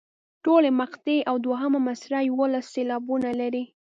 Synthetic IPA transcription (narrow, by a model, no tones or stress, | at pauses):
ʈolemaqt̪eʔawd̪waɦəmamasɾajwəlasːelɑbunalaɾi